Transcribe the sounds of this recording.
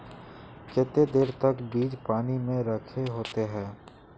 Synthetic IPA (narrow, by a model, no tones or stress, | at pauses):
kɪt̪ed̪eːɾt̪ɐkbiːd͡ʒpaːnimẽɾəkʰeɦoːt̪eɦɛ̃ː